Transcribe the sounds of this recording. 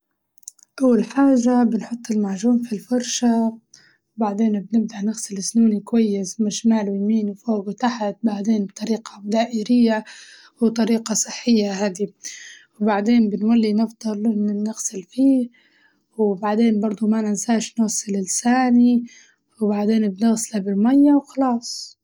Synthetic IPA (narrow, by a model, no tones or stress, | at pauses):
ʔawːalħaːʒabɪnħʊt̪ˤːɪlmaʕʒuːmfilfɑɾˤʃa | wbaʕd̪eːnbnɪb̚d̪aʔnɪɣsɪlɪsnuːnikwajːɪsmɪʃmaːlwɪjmiːnwfoːɡwt̪aħat̪̚baʕd̪eːnbt̪ˤɑɾiːqad̪aːʔɪɾɪjːa | wt̪ˤɑɾiːqɑsˤɨħːɪjːaɦaːd̪iwbaʕd̪eːnbɪnwalːinɑfd̪ˤɑlˤlɪnɪnɪɣsɪlfiː | wbaʕd̪eːnbɑɾˤd̪ˤumaʔnansaːʃnɑɣsˤɪlɪlsaːni | wbaʕd̪eːnbnɪɣsɪlabɪlmajːawxɑlɑːsˤ